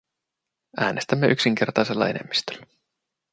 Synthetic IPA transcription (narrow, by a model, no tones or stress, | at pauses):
æːnʔe̞st̪æmːeʔyksiŋk̟e̞rt̪ɑjse̞lːɑ̰e̞̰ne̞̰mːist̪ø̥lːæ